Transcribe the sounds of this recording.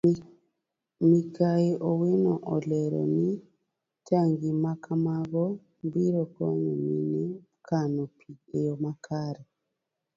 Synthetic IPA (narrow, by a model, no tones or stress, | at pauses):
mikaiʔowenɔʔɔleɾɔ̰ni | taŋɡimakamaɣɔ | mbiɾɔkɔɲumini | kanopʰiejɔmakʰaɾe